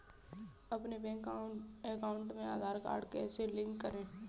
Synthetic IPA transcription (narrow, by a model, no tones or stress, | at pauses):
ɐpnebe | ekaːʊ̃ɳʈmẽaːd̪ʱaːɾka̰ːɾɖkɛːselɪ̃ŋkːəɾẽː